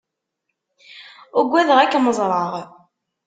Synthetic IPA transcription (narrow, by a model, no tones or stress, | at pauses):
ʊɡʷːæðəʁækːməzˤɾˤɑʁ